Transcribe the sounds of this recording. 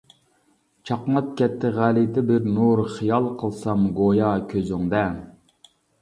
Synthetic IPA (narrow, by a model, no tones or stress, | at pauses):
t͡ʃʰɑqmɑt̪̚kʲɛt̪ʰːɪʁælit̪ɪbɪɾnuɾχijɑlˠqʰəlˠsɑmɡojɑkʲʰøzyŋd̪ɛ